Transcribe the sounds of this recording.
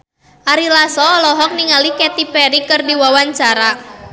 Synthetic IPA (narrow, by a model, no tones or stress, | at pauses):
ʔaɾilasɔɔlɔɦɔk̚niŋalikɛt̪ipɛɾikɨrdiwawaɲt͡ʃaɾa